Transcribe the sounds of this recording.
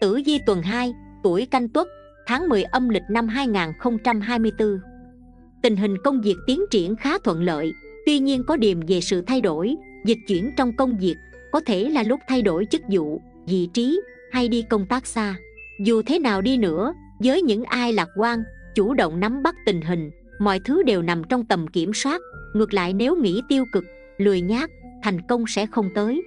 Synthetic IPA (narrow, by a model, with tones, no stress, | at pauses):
t̪ɨ̰˧˩zi˧t̪wə˨˩nɦaː˧jt̪u˧˩əjka˧jŋ̟t̪wə˦˥t̚ | t̪ʰaː˨˦ŋmɨ˨˩əjʔə˧mlï˨˩k̟̚na˧mɦaː˧jŋaː˨˩nxə˧wŋ͡mt͡ɕa˧mɦaː˧jmɨ˧əjt̪ɨ˧ | t̪ï˨˩ŋ̟ɦï˨˩ŋ̟kə˧wŋ͡mvi˨˩ək̚t̪i˨˦ənt͡ɕḭ˧˩ənxaː˨˦t̪ʰwə̰˧˨nlə̰ː˧˨jt̪wi˧ɲi˧ənkɔ˨˦ɗi˨˩əmve˨˩sɨ̰˧˨t̪ʰa˧jɗo˧˩j | zi˨˩k̟̚t͡ɕwi˧˩ənt͡ɕɔ˧wŋ͡mkə˧wŋ͡mzi˨˩ək̚ | kɔ˨˦t̪ʰe˧˩laː˨˩lʊ˦˥k͡p̚t̪ʰa˧jɗo˧˩jt͡ɕɨ˦˥k̚zṵ˧˨ | zḭ˧˨t͡ɕi˨˦ | ha˧jɗi˧kə˧wŋ͡mt̪aː˦˥k̚saː˧ | zu˨˩t̪ʰe˨˦naː˨˩wɗi˧nɨ̰˧˥ə | zəː˨˦jɲɨ̰˧˥ŋʔaː˧jlaː˨˩k̚kwaː˧nt͡ɕu˧˩ɗə̰˧˨wŋ͡mna˨˦mɓa˦˥k̚t̪ï˨˩ŋ̟ɦï˨˩ŋ̟ | mɔ̰˧˨jt̪ʰɨ˨˦ɗe˨˩wna˨˩mt͡ɕɔ˧wŋ͡mt̪ə˨˩mki˧˩əmswaː˦˥t̚ŋɨ˨˩ək̚la̰ː˧˨jne˨˦wŋḭ˧˥t̪i˧əwkɨ˨˩k̚ | lɨ˨˩əjɲaː˦˥k̚t̪ʰa˨˩jŋ̟kə˧wŋ͡msɛ̰˧˥xə˧wŋ͡mt̪əː˨˦j